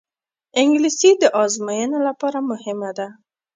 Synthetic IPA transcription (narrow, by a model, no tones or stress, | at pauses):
ɪŋɡlisid̪əʔɑzmajənolapɑɾamʊhɪmad̪a